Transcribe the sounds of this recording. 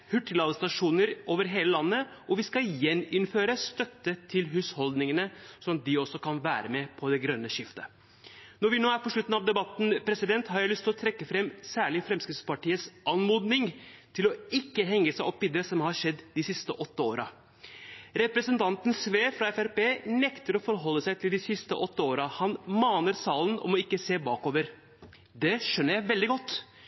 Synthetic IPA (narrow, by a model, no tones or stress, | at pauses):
hʉʈːəlɑːd̪əst̪ɑʂuːnəɾoːʋəɾɦeːləlɑnːəʔɔʋɪskɑjɛnːɪnføːɾəst̪œt̪ːət̪ʰɪlɦʉːshɔld̪nɪŋənəsɔɑt̪̚d̪ɪɔsːɔkʰɑnʋæ̰ːɾəmɛpʰɔd̪ɛɡɾœnːəʃɪft̪ə̰ | nɔɾʋɪnoːæɾpɔʂɭʉt̪ːn̩ɑʋd̪ɛbɑt̪n̩pʰɾɛsɪd̪ɛnt̪hɑɾjæɪlʏst̪ʰɪlɔt̪ʰɾɛkːəfɾɛmsæːɭɪfɾɛmskɾɪspɑʈiːət̪sʔɑnmuːd̪nɪŋt̪ʰɪlɔɪkːəɦɛŋːəsæɪʔɔpːɪd̪ɾəsɔmhɑɾʂɛd̪ːd̪ɪsɪst̪əʔɔt̪ːəoːɾʔɑ | ɾɛpɾəsənt̪ʰɑnt̪nsʋeːfɾɑɛfæɾpeːnɛkt̪əɾɔfɔɾɦɔlːəsæɪt̪ʰɪld̪ɪsɪst̪əʔɔt̪ːəoːɾɑhɑnmɑːnəɾsɑːlənɔ̰mɔɪkːəseːbɑːkoːʋəɾ | d̪ɛʂœnːəɾjæɪʋɛld̪ɪɡɔt̪ː